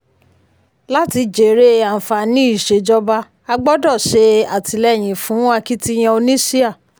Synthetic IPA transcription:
la˦ti˧d͡ʒe˨ɾe˦a˨fa˨nĩ˦i˦˨ʃe˨d͡ʒɔ˦˧ba˧ | a˧ɡ͡bɔ˦dɔ˦˨ʃe˧a˨ti˧lɛ˦˨j̃ĩ˨fũ˨˦a˦˧ki˦ti˦j̃ɛ̃˧˦o˧nĩ˦si˦a˦˨

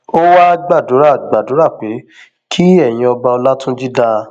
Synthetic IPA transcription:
o˦wa˦˧ɡ͡ba˦˨do˨˦ɾa˦˨ɡ͡ba˨do˨˦ɾa˦˨k͡pe˨˦ | kʰi˦ɛ˦˨jĩ˧ɔ˧ba˧ɔ˧la˦tũ˦d͡ʒi˦da˧

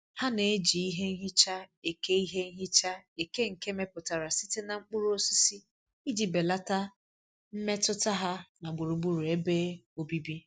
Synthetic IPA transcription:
ha˦ne˨e˦d͡ʒi˨i˦ɦe˦ŋ̩˦ɦi˦t͡ʃa˦e˨ke˦i˦ɦe˦n̩˦ɦi˦t͡ʃa˦e˨ke˦ŋ̩˨ke˦me˦pʊ˨ta˨ɾa˨si˦te˦na˨ŋ͡m̩˦k͡pʊ˦ɾu˦o˦si˦si˦ | i˦d͡ʒi˨be˨la˦ta˦ | m̩˦me˦tʊ˦ta˦ɦa˦na˨ɡ͡bu˨ɾu˨ɡ͡bu˦ɾu˨e˦beː˦o˦bi˦bi˦

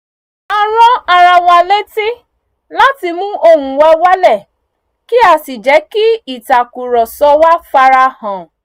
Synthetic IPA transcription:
a˧ɾ̃ɔ̃˦a˧ɾa˧w̃ɔ̃˧a˧lẽ˦ti˦ | la˦ti˧mũ˦o˧ɦũ˨wa˧˦wa˦lɛ˦˨ | ki˦a˧si˨d͡ʒɛ˨˦ki˦i˦˨ta˨ku˨ɾɔ˨sɔ˧˦wa˦fa˧ɾa˧hã˨

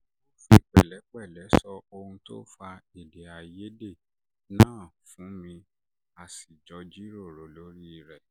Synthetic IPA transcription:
o˧fi˧˦k͡pɛ̰˦˨lɛ˨˦k͡pɛ˦˨lɛ˨˦sɔ˧o˧hũ˧to̰˦fa˧e˨de˨a˨je˦de˦˨ | nãː˦˨fũ˨˦mĩ˧ | a˨si˨d͡ʒɔ˧˦d͡ʒi˦ɾo˦˨ɾo˨˦lo˨˦ɾi˦i˨ɾɛ˨

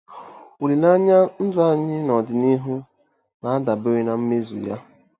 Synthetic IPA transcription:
u˨le˨la˦ɲa˦n̩˦dʊ˦a˦ɲɪ˦nɔ˨dɪ˨ni˦ɦu˦ | na˨a˦da˨be˦ɾi˦na˨m̩˦me˦zṵ˨ja˦

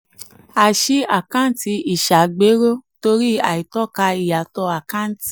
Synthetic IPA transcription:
a˨ʃi˧˦a˨kã˦˨n˦ti˧i˨ʃa˨ɡ͡be˨˦ɾo˦to˧ɾi˦a˨i˨tɔ˦˨ka˧i˨ja˨tɔ˧a˨kã˦˨˦ti̥˨

